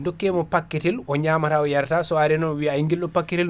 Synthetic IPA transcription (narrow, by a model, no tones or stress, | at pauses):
ndokːɛmɔpakːitilɔɲaːmataɔjaɾtasɔaɾɛnɔwiaiŋɡilːɔpakːitil